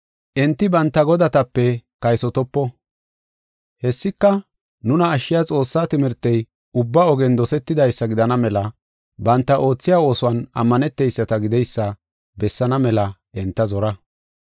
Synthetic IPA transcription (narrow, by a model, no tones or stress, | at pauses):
ʔɛnt̪ːɪbɐnt̪ːɐɡɔd̪ɐt̪ɐpːɛkɐjsɔt̪ɔpːɔ | hɛsːɪkːɐ | nʊnɐːʃːɪjɐt͡sʼo̞ːsːat̪ɪmɪɾt̪ːɛj | ʊbːaɔɡɛnd̪ɔsɛt̪ːɪd̪ɐjsːɐɡɪd̪ɐnɐmɛlɐ | bɐnt̪ːɐʔo̞ːt͡sːɪjaːo̞ːsʊwɐnɐ̰mːɐnɛt̪ːɛjsːɐt̪ɐɡɪd̪ɛjsːɐ | bɛsːɐnɐmɛlɐʔɛnt̪ːɐzɔɾɐ